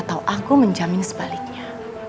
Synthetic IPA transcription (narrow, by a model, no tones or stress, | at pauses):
t̪awʔakuməɲd͡ʒamɪnsə̥b̥alɪk̚ɲa